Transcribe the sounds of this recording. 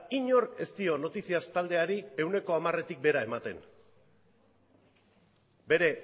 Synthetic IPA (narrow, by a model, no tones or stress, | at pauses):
iɲo̞ɾke̞st̪io̞no̞t̪isiast̪ald̪e̞aɾie̞wne̞ko̞amare̞t̪ik̚be̞ɾae̞mat̪e̞n | be̞ɾe̞